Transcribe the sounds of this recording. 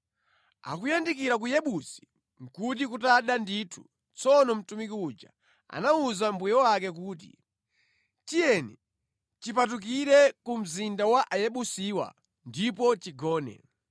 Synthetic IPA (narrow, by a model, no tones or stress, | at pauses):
a̰kujandikiɾak̬ujɛɓusi̥ | ŋ̩kut̬ikutaɗandiːtʰu | t͡sɔnɔm̩tumikiud͡ʒa̰ | a̰nauzambujɔwakɛk̬uːtḭ | tijɛnɛ | t͡ʃipatuk̬iɾɛkum̩zindawaʔajɛɓusiːwa̰ | ndipɔt͡ʃiɡɔːnɛ̰